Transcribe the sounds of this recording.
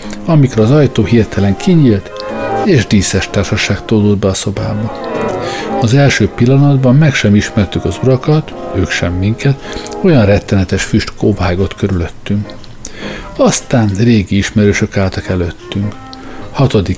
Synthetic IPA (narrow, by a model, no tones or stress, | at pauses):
ɒmikɾɛɒzɒjt̪oːɦiːrt̪ɛlɛŋkʰiɲiːlt̪eːʒd̪iːsɛʃt̪aːrʃɒʃaːkt̪oːd̪oːd̪̚bɛːso̞baːbɒ | ɒzɛlʃøːpilːɒnɒd̪bɒmːɛkʃɛmiʃmɛrt̪ykɒzuɾɒkɒt̪øːkʃɛmːiŋkɛt̪o̞jɒnrɛt̪ːɛnɛt̪ɛʃfyʃt̪kovaːɡo̞t̪køɾylø̞t̪ːyŋk | ɒst̪aːnreːɡiiʃmɛɾøːʃø̞kaːlt̪ɒkɛløt̪ːyŋk | hɒt̪o̞d̪i